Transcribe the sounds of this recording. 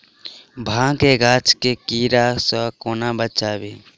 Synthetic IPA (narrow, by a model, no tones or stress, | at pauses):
bʱãːkeɡaːt͡ʃkekiːɾasɔkoːnabət͡ʃaːbeː